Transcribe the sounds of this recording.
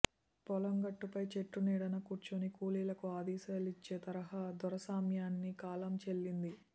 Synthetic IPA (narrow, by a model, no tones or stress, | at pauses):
pɔlɐŋɡɐʈːupɐjt͡ʃeʈːuniːɽɐnɐkuːɾt͡ʃunikuːliːlɐkuaːd̪ɛːsɐɐlit͡ʃːeːt̪ɐɾɐɦaːd̪ɔɾɐsaːmjaːnːikaːlɐmt͡ʃelːind̪i